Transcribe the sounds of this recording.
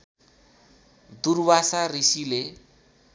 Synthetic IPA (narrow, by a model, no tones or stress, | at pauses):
d̪urbasarisile